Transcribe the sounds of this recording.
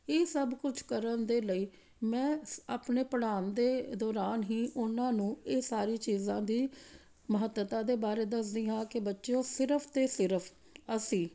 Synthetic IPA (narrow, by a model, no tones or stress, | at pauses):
eːsəbkʊt͡ʃʰkəɾənd̪eːləiː | mɛ̃ːaːpneːpəɽaːnd̪eːd̪ɔːɾaːnɦĩːʔʊnãːnũːeːsaːɾiːt͡ʃiːzãːd̪iː | məɦət̪ːət̪ãːd̪eːbaːɾeːd̪əsd̪ĩːɦãːkɪbətːʃõːsɪɾəpʰt̪eːsɪɾəpʰ | əsĩː